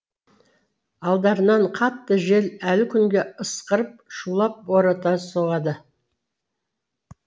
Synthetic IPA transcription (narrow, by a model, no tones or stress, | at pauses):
ɑlˠd̪ɑɾənɑɴqʰɑt̪ːəʒe̞lælɪkʲʰʏŋɡʲe̞əsqəɾəp̚ʃulˠɑp̚woɾɑt̪ɑsoʁɑd̪ə